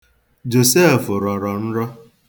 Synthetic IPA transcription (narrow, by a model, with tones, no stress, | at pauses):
d͡ʒo˨se˦˨fʊ˨ɾɔ˨ɾɔ˨n̩˦ɾɔ˦